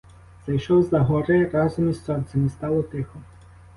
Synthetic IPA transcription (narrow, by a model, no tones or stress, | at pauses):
zɐjʃɔwzɐɦɔɾɪɾɑzɔmissɔnʲt̪sɐmɪst̪ɑlˠɔt̪ɪxɔ